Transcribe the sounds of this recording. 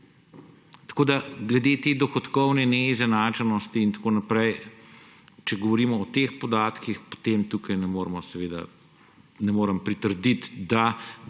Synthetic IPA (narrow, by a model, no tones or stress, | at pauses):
t̪ɐ̥koːd̪aɡlɛd̪eːt̪eːd̪ɔxɔt̪kɔwnɛnɛizɛnaːt͡ʃɛnɔst̪iːnt̪ḁkoːnapɾɛj | t͡ʃɛɡɔʋɔɾiːmɔːt̪expɔd̪aːt̪kixpo̥t̪emt̪uːkɐjnɛmoːɾmɔsɛʋeːd̪a̰ | nɛmoːɾəmpɾit̪əɾd̪it̪d̪a